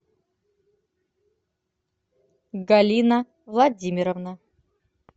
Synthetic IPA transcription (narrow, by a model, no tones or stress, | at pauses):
ɡalʲina | vlˠad͡zʲimʲiɾəvna